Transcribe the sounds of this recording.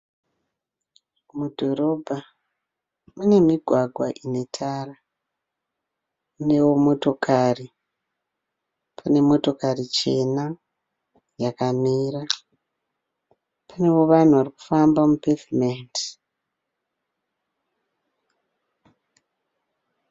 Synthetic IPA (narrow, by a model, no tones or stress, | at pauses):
mudʱo̞ɾo̞bʱa | mune̞miɡʱwaɡʱwaʔine̞tʰara | mune̞wo̞mo̞to̞kʰari | pʰane̞mo̞to̞karit͡ʃe̞na | jakamiːɾa | pʰanewo̞ʋan̤uʋaɾiku̥fambamupefimenti